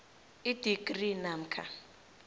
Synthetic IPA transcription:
id̥iɡrinam̩kʰa̰

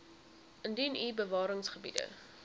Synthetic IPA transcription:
ʔəndinibəvɑːɾəŋsχəbḭdə̰

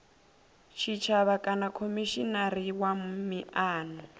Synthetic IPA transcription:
t͡ʃʰit͡ʃʰaβakʼanakʰomiʃinaɾiwammiaːnɔ

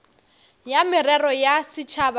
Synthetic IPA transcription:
jamɪrɛrɔjasɪt͡ʃʰaba

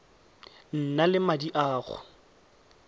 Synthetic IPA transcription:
n̩nalɪmadiʔaːɣʊ̰

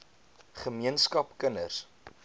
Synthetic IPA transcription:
χəmiənskɐpkənərs

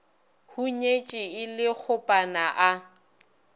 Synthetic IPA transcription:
huɲet͡ʃʼɪɪlɪk͡xʰʊpʼanaʔa

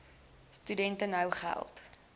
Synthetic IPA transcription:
stydɛntənɦəwχæ̰lˠt

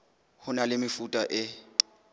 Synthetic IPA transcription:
hʊnalɪmɪfutʼaʔɪ

